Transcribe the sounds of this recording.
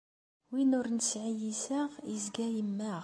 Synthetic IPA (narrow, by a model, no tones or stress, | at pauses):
winʊɾnsʕijisæʁizɡæjəmːæʁ